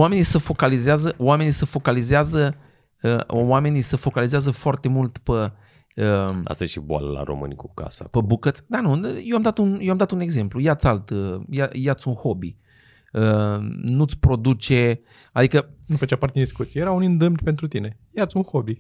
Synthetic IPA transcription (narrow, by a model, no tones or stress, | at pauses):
wame̞nisəfo̞kalizeazəowame̞nisəfo̞kalizeazə | əwame̞nisəfo̞kalizeazəfoart̪e̞mult̪pə | əa̰st̪ajḛʃḭboa̰lə̰la̰ɾo̞̰mɨ̰nʲikuka̰sa̰pəbukət̪sʲd̪anujewamd̪at̪unjewamd̪at̪une̞ɡze̞mplujat̪salt̪əjajat̪sʲunho̞bḭ | ənut̪sʲpɾo̞d̪ut͡ʃe̞ | ad̪ikənufət͡ʃapaɾt̪ed̪d̪iskut̪siejeɾaunɨnd̪ɨmd̪pe̞nt̪ɾut̪ine̞ | jat̪sʲunhobi